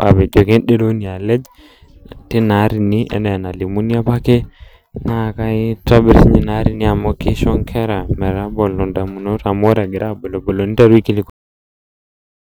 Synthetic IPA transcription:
a̰˨bɛ˨d͡ʒo˨ke˦nɗe˦lo˦ni˨a˨lɛ˦d͡ʒ | tɪ˦na˨˦ɾi˨ni˦ɛ̰˦nɛ˨na˨li˨mu˦ni˦a˦pa˦ke˦ | na˦˨ka˦i˦tɔ˦bɾsɲi˨na˦ɾi˦ni˦a˨mo˦ki˦ʃɔ˦ŋkʰɛ˦ɾa˨mɛ˨ɾa˦bɔ˨lɔ˨nda˨mu˨no˦ɾa˨mo˦ɾa˨ɡɪ˨ɾʔa˦bo˨lo˨bo˨lo˨ni˦ta˦ɾwi˦ki˦li˦ko˦

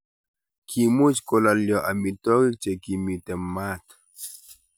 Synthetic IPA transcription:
kʰi˨mu˦t͡ʃko˨la˨ljɔ˨ʔa˨mi˨t̪ɔ˦ɣi˦t͡ʃe˨ki˨mi˨t̪ɛ˨mːa˦t̪

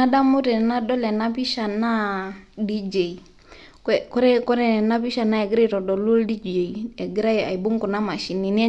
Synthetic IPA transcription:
a˦da˦mu˦tɛ˨na˦dɔ˦lɛ˨na˦pi˦ʃa˨na˦di˦d͡ʒe˨i˨ | kɔ˦ɾɛ˦kɔ˦ɾɛ˦˨na˦bi˦ʃa˨na˦ɛ˨ɡi˦ɾe˦˨tɔ˨dɔ˨lu˦ldi˦d͡ʒe˨iɛ˨ɡi˦ɾa˦ja̰˨i˨bu˦ŋku˨na˦ma˨ʃi˨ni˨n˦ɛ˦

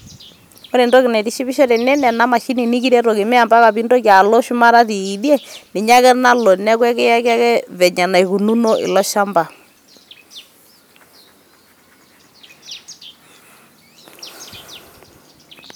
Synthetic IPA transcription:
o˦ɾe˨ndo˦kɪ˨nɛ˨ti˦ʃi˦βɪ˦ʃɔ˦tɛ˨nɛ˦nɛ˨na˦ma˨ʃi˦ni˨ni˦ki˦ɾɛ˦ɾo˨ki˨mɛ˦a˨mba˦ka˨bi˦ndo˦ka˨lo˦ʃu˦ma˦ɾa˦ðiː˨di˦e˦nɪ˨ɲa˦kɛ˦na˦lɔ˨nɛ˦kwɛ˦kɛ˦ja˦ka˦kɛ˦βɛ˨ɲa˨na˨i˨ku˨nu˦no˦ʔɪ̰˨lɔ˦ʃa˦mba˨

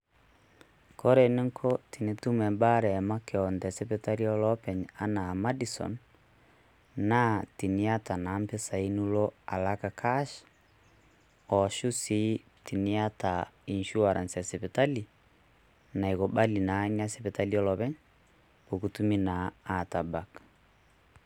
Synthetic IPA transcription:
kɔ˦ɾe˨ne˦ŋkʰɔti˨ne˦tu˦mɛ˨mba˦ɾɛ˨ma˦ke˨ɔ˨ndɛ˨se˦βe˨ta˦li˦ɔ˦lɔ˦pɛ˨ɲa˦na˨ma˦disɔ̰˨n | na˦ti˨ni˦a˦ta˨na˨˦mpe˦sa˨i˦nu˦lɔ˦a̰˨la˦ka˨kʰa˦ʃ | ɔ˨ʃu˦si˦ | ti˨ni˦a˦tai˨nʃu˦a˨ɾa˨nsɛ˨se˨βɛ˨ta˦li˨ | na˨i˨ɣɔ˨ba˦li˨na˨ɲa˦se˨βɛ˨ta˦liɔlɔ˨βɛ˦ɲ | o˨ku˨tu˦mi˦naː˨ta˨ba˨k

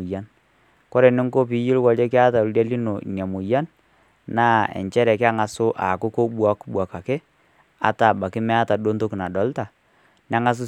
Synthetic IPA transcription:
ja˦n | ko˦ɾe˨nɪ˦ŋko˦p̬i˨jɪ˦lwa˨le˦kɪ˦a˦ta˨ldja˦li˦no̰˨ɲa˨mu˨ja˦n | naː˦ɛ̰˨ɲt͡ʃɛ˦ɾɛ˨kɪ˦a˦ŋa˨sʊ˦ʔa˨kʊ˦ko˦ɓwa˦kbwa˨ka˨ke˦ | a̰˨ta˨ba˨kɪ˦mɛ˦a˦ta˨do˦nto˦kna˨ɗɔ˨˦lta˨ | n˦a˦ŋa˦s̬ʊ˦

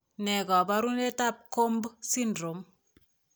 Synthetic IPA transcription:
nɛ˨kɔ˨ba˦ɾu˦ne˦ta˦p̚ko˦mbsi˦ndɾo˨m

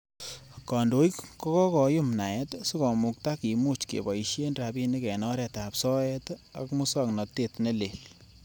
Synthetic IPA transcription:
kɔ˨ndo˨i˦kkɔ˦kɔ˦kɔ˨jʊ˦mna˨ɛ˦tsu˦kɔ˨mʊ˨k̚ta˦ki˨mu˦t͡ʃkḛ˨bɔ˨i˨ʃe˦nɾa˨bi˦ni˦kɛ˨nɔ˦ɾɛ˨tapsɔ˦ɛ˦ta̰˨kmʊ˦sa˦˨knɔ˨te˦tne˦le˨l

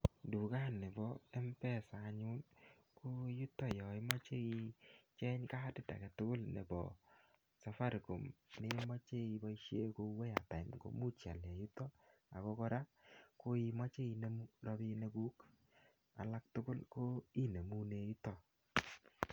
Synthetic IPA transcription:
ndu˨ka˦˨nːɪ˨bɔ˦ɛ˦m˦pɛ˦˨sa˨ɲu˦n | ko˦ju˦tɔ˦jɔ˨i˦mɔ˦t͡ʃe˦i˦t͡ʃɛ˦ɲka˦dɪ˦da̰˨kɛ˨tʊ˦kʊ˦lnḛ˨bɔ̰˨ | sa˨fa˦ɾko˨mne˦mɔ˦t͡ʃe˦i˦bɔ˦i˦ʃe˦ko˧˦wɛ˦a˨ta˨nko̰˨mu˦t͡ʃja̰˨lɛ˨ju˦tɔ˦a˨kɔ˦kɔ˦ɾa˦ko˦i˦mɔ˦t͡ʃe˦i˧ne˨mu˦ɾɔ˧bi˧ne˦ɡu˦k | a̰˨la˦k̚tʊ˦ɡʊ˦lko˦i˦ne˨mu˦ne˨˦ju˦tɔ˦

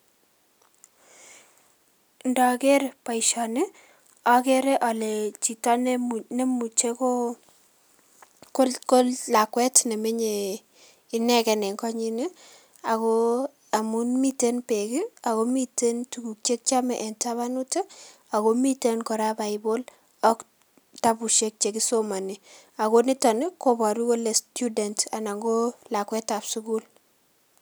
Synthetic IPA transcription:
ndɔ˨ke˦ɾe˨pa˨i˨ʃɔ˨ne˦ | ɔ˨ke˦ɾe˦ʔɔ˨le˨t͡ʃi˨tɔ˦nne˦mu˨t͡ʃe˦ko˦ | ko˦lko˦lla˨kwɛ˦tne˨me˦ɲe˨ | i˦nɛ˦˨kɛ˨nɛ˨ŋkɔ˦ɲi˦ne˦ | a˨ko˦ | a˨mu˦nmi˦te˦npe˨kɪ˦a˨ko˦mi˦te˦ntu˨ɡu˨k̚t͡ʃe˦k̚t͡ʃa˦mɛ˨ʔɛ˨nta˦βa˦nu˦tɛ˦ | a˨ko˦mi˦te˦nkɔ˨ɾa˦ba˨ɪbo˦l | ɔ˦k | ta˦bu˨ʃe˦k̚t͡ʃe˦kɪ˦so˦ma˨ni˨ | a˨ko˦nɪ˦tɔ˨nɪ˦ko˦bɔ˨ɾi˦wɔ˦le˨stu˦dɛ˨nta˨na˨ŋɡo˦la˨kwɛ˦ta˨bsu˦ku˦l

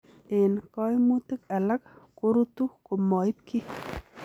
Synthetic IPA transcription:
e˨nkɔ˦jmu˦t̪ɪ˦ka˨la˦kko˦ɾu˦tu˦ko˨mɔ˨ɪ˦p̚ki˦

